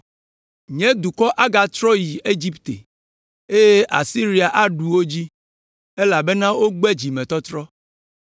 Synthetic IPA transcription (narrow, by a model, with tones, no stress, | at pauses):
ɲɛ̃˦d̪u˨kɔ˦ʔa˦ɡa˨t̪ɾɔ˦ji˨e˦d͡ʑi˦pt̪ḛ˨ | e˦je˦ʔa˨si˦ɾi˦a˨ʔa˦ɖu˨wo˦d͡ʑi˦ | e˦la˨be˦nã˦wo˦ɡ͡bɛ˦d͡ʑi˨mɛ̃˨t̪ɔ˦t̪ɾɔ˦